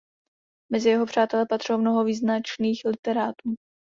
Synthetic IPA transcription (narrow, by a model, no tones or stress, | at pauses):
mɛzɪjɛɦo̞pr̝̥aːt̪ɛlɛpat̪r̥owmno̞ɦoviːznat͡ʃniːxlɪt̪ɛɾaːt̪uː